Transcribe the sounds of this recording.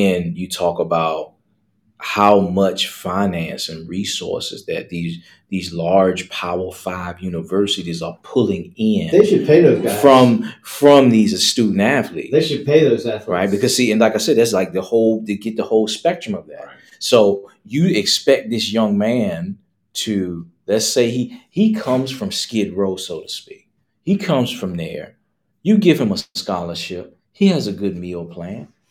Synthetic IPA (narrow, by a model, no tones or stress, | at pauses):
ɨ̃njɨtʰɔkəbaʊt̚ | haʊmʌt͡ʃfãɪ̃næ̃nsɨ̃nɹisɔ̰ɹsɨ̰zðɨ̰t̪̚ðiz | ðizlɑɹd̥ʒ̥pʰaəl̩ˠfaɪvjʉnəvɜ˞sɨɾizə˞pʰʊlˠɪ̃ŋɪ̃nðeɪʃɨd̚pʰeɪðoʊzɡafɹʌ̃mfɹʌ̃mðizɨstʉdⁿn̩tæflḭtðeɪʃɨd̚pʰeɪðoʊzæfɹaɪt̚b̥ɨkʰʌz̥siɨ̃nlaɪkaɪsɛd̪̚ðætslaɪk̚ðəhoʊlˠðɨɡɛt̪̚ðəhoʊlˠspɛk̚tɹ̥ɨ̃mʌvðæ̰t̚ | soʊ | jɨɪkspɛk̚ðɪsjʌ̃ŋmæ̃n | tʰɨ | lɨtseɪihikʰʌ̃mz̥fɹʌ̃mskɪd̚ɹoʊsoʊɾɨspik̚ | hikʰʌ̃mz̥fɹʌ̃mðə̰˞ | jɨɡɪv̥ɨ̃məskɑlˠə˞ʃɪp̚ | hiɨzɨɡʊd̚milˠpʰl̥æ̃n